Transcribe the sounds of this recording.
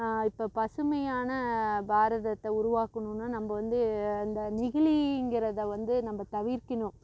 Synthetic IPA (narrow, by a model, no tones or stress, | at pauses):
ɪpːoːpɐsɯmɐjaːnɐbʱaːɾɐðɐt̪ːɛʊɾʊʋaːkɐɳɯnːaːnɐmbɐʋɐnd̪ɯɪnd̪ɐnɪɣɪɭiɪŋɡɪɾɐðɐʋɐnd̪ɯnɐmːbɐt̪ɐʋɪɾkɪnʊ̃